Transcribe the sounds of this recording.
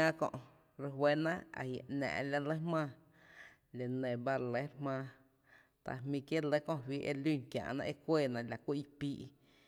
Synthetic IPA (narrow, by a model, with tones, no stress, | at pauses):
ã˦kõ̰˧ʔ | ɾə˧ɦwe˦nã˦ʔa̰˨hja˨ʔʔnã̰ː˨ʔla˧le˦hmãː˧ | le˨nẽ˨ba˦˧ɾle˦ɾmãː˧ | t̪a̰˧˨mĩ˧kje˦lə˦kõ˦˧wiː˦ʔḛ˧lu˦˨kjã̰ː˧˨ʔnã̰˧ʔe˦kʷeː˦˨nã˧˨la˨kʷi˦ʔi˧piː˦ʔ